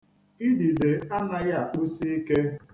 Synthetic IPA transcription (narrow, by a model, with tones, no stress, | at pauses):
i˦di˨de˨a˦na˦ɣa˨k͡pu˦si˦i˦ke˦